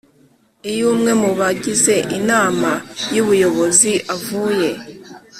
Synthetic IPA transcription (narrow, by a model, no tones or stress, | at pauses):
ijuːmŋe̞muβaɟize̞ʔinaːmajuβujo̞βo̞ziʔavuːje̞